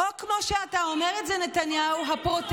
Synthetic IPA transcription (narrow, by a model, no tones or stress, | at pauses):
okmo̞ʃeatao̞meʁetzenetanjauɦapʁot